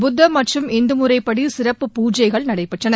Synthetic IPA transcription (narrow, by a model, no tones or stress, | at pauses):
bʊd̪ːɐmɐʈrɯmɛnd̪ɯmɯɾɐɪpːɐɽisɪrɐpːɯpuːd͡ʒɐɪɣɐɭnɐɽɐɪpːɛʈrɐnɐ